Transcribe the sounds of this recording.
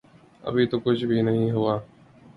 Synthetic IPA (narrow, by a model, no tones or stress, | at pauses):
ə̰bʱiːt̪oːkʊd͡ʒbʱiːnəɦĩːɦʊʋaː